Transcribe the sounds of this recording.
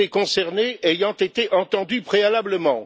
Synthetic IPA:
ekɔ̃sɛʁneejɑ̃t̪et̪eʔɑ̃t̪ɑ̃d̪ypχealabləmɑ̃

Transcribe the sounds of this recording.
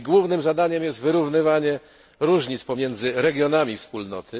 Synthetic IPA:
ɡwuvnɘmzad̪aɲɛmjɛst̪vɘɾuvnɘvaɲɛ | ɾuʐɲit̪spɔmʲjɛnd̪zɘɾɛɡʲjɔnamʲifspulnɔ̰t̪ɘ

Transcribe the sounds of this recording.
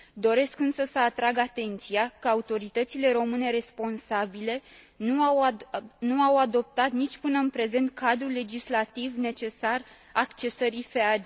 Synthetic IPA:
d̪o̞ɾe̞skɨnsəsəat̪ɾaɡat̪e̞nt̪sijakəaut̪o̞ɾit̪ət̪sile̞ɾo̞mɨne̞ɾe̞spo̞nsabile̞ | nuawad̪o̞p̚t̪at̪nit͡ʃʲpɨnəɨnpɾe̞ze̞nt̪̚kʰad̪ɾule̞d͡ʒislat̪ivne̞t͡ʃe̞sar | akt͡ʃe̞səɾifead͡ʒ

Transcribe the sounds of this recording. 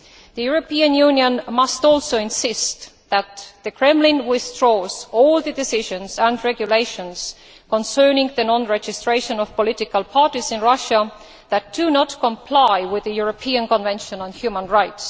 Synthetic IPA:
ðəjuɹopiə̃njʉ̃njə̃nmʌstɔlsoɪ̃nsɪst̪ | ðæt̪ðɨkʰɹ̥ɛ̃mlɪ̃nwɪθdɹoːzolðɨdɪsɪʒə̃nsæ̃ndɹɛɡjuleɪʃə̃ns | kɔ̃nsɜ˞nɪ̃ŋðɨnɔ̃nɹed͡ʒɪstɹ̥eɪʃə̃nɔv̥polɪtɪkəlpʰɑɹtizɪ̃nɹʌʃə | ðæt̚d̥unɔtkʰə̃mpʰl̥aɪwɪðəjuɹopʰiə̃nkɔ̃nvɛ̃nʃə̃nə̃nhjʉmə̃nɹaɪts

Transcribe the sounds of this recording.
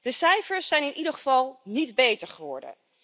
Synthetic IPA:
d̥əsɛjfəɹsːɛjnɪnʔidəχəvɑlˠnidbejtəɹχəʋɔ̰ɹdə̰n

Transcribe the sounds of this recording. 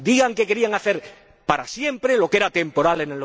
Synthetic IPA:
d̪iɣaŋkeke̞ɾiaŋaθeɾ | paɾasjẽ̞mpɾelo̞keɾat̪e̞mpo̞ɾalenel

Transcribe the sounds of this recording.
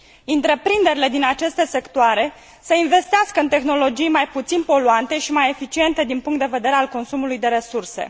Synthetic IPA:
int̪ɾe̞pɾind̪eɾile̞d̪inat͡ʃe̞st̪e̞se̞kt̪oaɾe̞ | səinve̞st̪easkəɨnt̪e̞xno̞lo̞d͡ʒijmajput̪sinpo̞luant̪e̞ʃimaje̞fit͡ʃie̞nt̪e̞d̪inpuŋkt̪d̪e̞ve̞d̪e̞ɾe̞alko̞nsumulujd̪e̞ɾe̞surse̞̰

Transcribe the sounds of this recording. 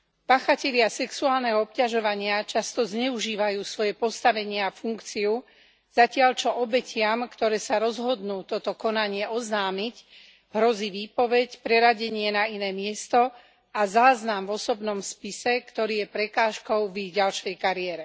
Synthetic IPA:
paːxacɛʎɪasɛksuaːlnɛɦɔɔp̚caʒɔʋaɲɪat͡ʃast̪ɔzɲɛuʒiːʋajuːsʋɔjɛpɔst̪aʋɛɲɪɛafuŋkt͡siu | z̥acɪaʎt͡ʃɔʔɔbɛcʰɪamkt̪ɔɾɛːsaɾɔzɦɔd̪nuːt̪ɔt̪ɔkɔnaɲɪɛɔznaːmic | ɦɾɔziːʋiːpɔʋɛcpɾɛɾaɟɛɲɪɛnainɛːmɪɛst̪ɔ | azaːznamvɔsɔbnɔmspisɛkt̪ɔɾiːjɛpɾɛkaːʃkɔʊviɟalʃɛjkaɾiɛɾɛ

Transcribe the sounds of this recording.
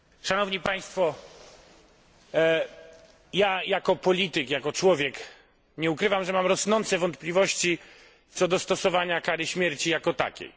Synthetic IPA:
ʂanɔvɲipaj̃st̪fɔ | jajakɔpɔlʲit̪ɘkjakɔt͡ʂwɔvʲjɛk | ɲɛukɾɘvamʐɛmamɾɔsnɔnt̪sɛvɔnt̪̚plʲivɔɕt͡ɕi | t̪sɔd̪ɔst̪ɔsɔvaɲakaɾɘɕmʲjɛɾt͡ɕijakɔt̪a̰kʲɛ̰j

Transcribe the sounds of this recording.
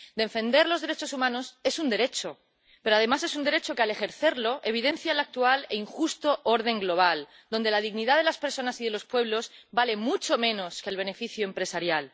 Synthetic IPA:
d̪eɱfẽ̞nd̪e̞ɾlo̞zðe̞ɾe̞t͡ʃo̞sumãno̞se̞sund̪e̞ɾe̞t͡ʃo̞ | peɾoaðe̞mase̞sund̪e̞ɾe̞t͡ʃo̞keale̞xe̞ɾθe̞ɾlo̞ʔe̞β̞iðe̞n̟θjalak̚t̪uale̞iŋxust̪o̞ʔo̞ɾð̞e̞ŋɡlo̞β̞al | d̪o̞nd̪e̞lað̞iɣniðað̞e̞laspe̞ɾso̞nasiðe̞lo̞spwe̞β̞lo̞sbale̞mut͡ʃo̞mẽ̞no̞ske̞lβ̞e̞ne̞fiθjuempɾe̞saɾjal

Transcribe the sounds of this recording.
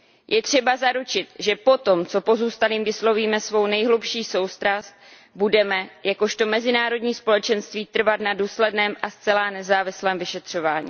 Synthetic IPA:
jʔɛt̪r̝̥ɛbazaɾut͡ʃɪt̪ʒɛpo̞t̪o̞mt͡so̞po̞zuːst̪aliːmvɪslo̞viːmɛsvo̞wnɛjɦlupʃiːso̞wst̪ɾast̪̚ | budɛmɛjako̞ʃt̪o̞mɛzɪnaːɾo̞dɲiːspo̞lɛt͡ʃɛnst̪viːt̪r̩vat̪naduːslɛdnɛːmast͡sɛlaːnɛzaːvɪslɛːmvɪʃɛt̪r̝̥o̞vaːɲḭː

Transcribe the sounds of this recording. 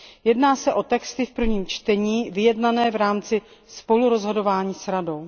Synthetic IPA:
jɛdnaːsɛʔo̞t̪ɛkst̪ɪfpr̩vɲiːmt͡ʃt̪ɛɲiːvɪjɛdnanɛːvɾaːmt͡sɪspo̞luɾo̞zɦo̞do̞vaːɲiːsɾado̞w

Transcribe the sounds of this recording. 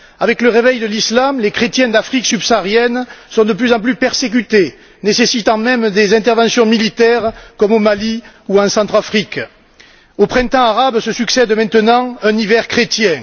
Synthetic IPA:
avɛkləʁevɛjd̪əlislamlekχet̪jɛ̃d̪afχiksybsaːʁjɛnsɔ̃d̪əplyzɑ̃p̬lypɛʁsek̬yt̪e | nesesit̪ɑ̃mɛmd̪ezɛ̃nt̪ɛʁvɑ̃sjɔ̃milit̪ɛʁkɔmomali | uɑ̃sɑ̃t̪χafχik | opχɛ̃t̪ɑ̃aʁabsəsyksɛd̪mɛ̃t̪ənɑ̃ɛ̃nivɛʁkχet̪jɛ̃

